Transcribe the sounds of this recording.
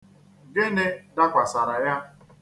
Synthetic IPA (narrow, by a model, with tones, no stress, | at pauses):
ɡe˦ne˦da˦kʷa˨sa˨ɾa˨ja˦